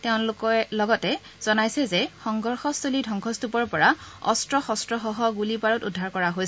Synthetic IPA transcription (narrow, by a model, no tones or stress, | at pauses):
teʊ̃nlʊkɔɛlɔɡɔtɛ | z̥ɔnajsɛzɛxɔŋɡɔɹxɔstʰolidʱɔŋkʰɔstupɔɹpɔɹaɔ̰stɹɔxɔstɹɔxɔɦɔɡulipaɹɔtudʱːaɹkɔɹaɦojsɛ